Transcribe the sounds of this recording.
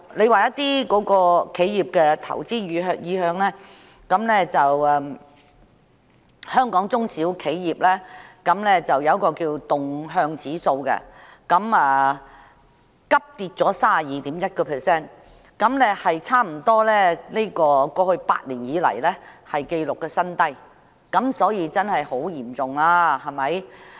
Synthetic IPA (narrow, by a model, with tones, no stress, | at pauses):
le˨˧jwaː˨jɐ˥t̪iː˥kɔː˨˥kɔː˧kʰe˨˥jjiː˨˩p̚kɛ˧t̪ʰɐ̰˨˩wt͡siː˥yː˨˧ɦœ˧jiː˨˧ɦœː˧ŋlɛː˥ | kɐ˨˥mlɛː˥t͡sɐ˨wɛ˨ | hœː˥ŋkɔː˨˥ŋt͡sʊ˥ŋsiː˨˥wkʰe˨˥jjiː˨˩p̚lɛ˥kɐ˨˥mlɛː˥t͡sɐ˨wjɐ˨˧wkɔː˧kiː˧wt̪ʊ˨ŋɦœː˧ŋt͡siː˨˥so˧wkɛ̰˧ | kɐ˨˧˥mɛː˨ | kɐ˥p̚t̪iː˧t̚t͡sɔː˨˥saː˥a˨jiː˨˧t̪iː˨˥mjɐ˥t̚kɔː˧pʰɛː˨˩sɛː˥˩n | kɐ˨˥mlɛ˥hɐ˨jt͡sʰaː˥m̩˨˩t̪ɔː˥lɛː˥ne˥kɔː˧kɔː˧hɵ˧ɥpa̰ː˧t̚liː˨˩njiː˨˥lɐ̰˨˩jlɛː˥hɐ˨jke˧jlʊ˨kːɛː˧sɐ˥nt̪ɐ˥j | kɐ˨˥msɔː˨˥jiː˨˧t͡sɐ˥nhɐ˨jho˨˥wjiː˨˩mt͡sʊ˨ŋlaː˥hɐ˨˩mɐ˨˥j